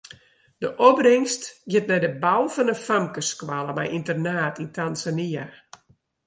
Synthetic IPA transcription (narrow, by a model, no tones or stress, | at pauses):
d̥əʔɔbrɪŋstɡɪtmɛjdəbawfɔnəfamkəskwalˠəmɛ̰jintərnaːtintanzania